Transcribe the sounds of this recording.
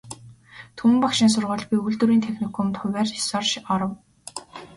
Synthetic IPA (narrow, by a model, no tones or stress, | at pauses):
t̪ʰum̆mpakʃɪ̆nsʊrʁʊːɮɣujuɮt̪ŭɾiːnt̪ʰexnikʰɔmt̪ʰʊwʲæːri̥sɔrʃɔɾɞ̆w